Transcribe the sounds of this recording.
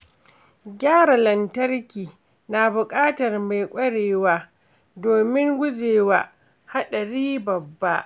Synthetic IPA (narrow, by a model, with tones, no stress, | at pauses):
ɡʲaː˦ɾa˨lɐ˨ntɐ˦rkʲiː˨ | na˨bʊ˨kʼaː˦tɐ˨rma˨jkʷʼɐ˦ɽeː˨waː˦ | doː˨mɪ˦ŋɡʷʊ˦zeː˨waː˦ | ha˦ɗɐ˨ɾiː˦bɐ˨bːa˦ʔ